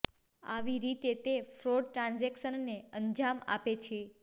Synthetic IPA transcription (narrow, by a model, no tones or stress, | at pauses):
a̰ʋiɾit̪et̪efɾoɖ̚ʈɾãnzekʃənːeəɲd͡ʒama̰pet͡ʃʰe